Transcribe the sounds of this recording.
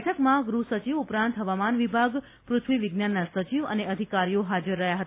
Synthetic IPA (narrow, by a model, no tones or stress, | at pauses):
ʈʰəkmãɡɾusət͡ʃiʋupɾãnt̪ɦəʋamanʋibʱaɡ | pɾʊt̪ʰʋiʋiɡnanːasət͡ʃiʋə̰neʔəd̪ʱikaɾijoɦad͡ʒəɾːəɦjaɦət̪a